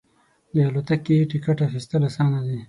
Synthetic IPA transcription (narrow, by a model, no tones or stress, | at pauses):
d̪ealot̪akːeʈikaʈaxist̪əlasɑnad̪i